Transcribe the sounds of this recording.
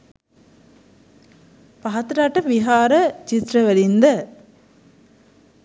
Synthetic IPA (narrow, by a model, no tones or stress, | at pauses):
pɐɦɐt̪ɾaːʈːɐʋiɦaːɾɐt͡ʃit̪ɾɐʋɐlind̪ɐ